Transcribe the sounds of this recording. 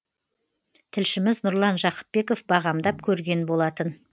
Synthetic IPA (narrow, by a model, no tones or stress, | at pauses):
t̪ʰɪlʃɪmɪznʊɾlˠɑnʒɑqə̥p̚ːe̞ko̞fbɑʁɑmd̪ɑp̚kʲʰɵɾɡʲe̞nbo̞lˠɑt̪ən